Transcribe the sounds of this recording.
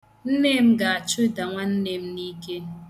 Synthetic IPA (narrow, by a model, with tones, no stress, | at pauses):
n̩˦neː˦m̩˦ɡa˨a˨t͡ʃʊ˦˨da˨ŋʷa˦n̩˦ne˦m̩˦ni˦ke˦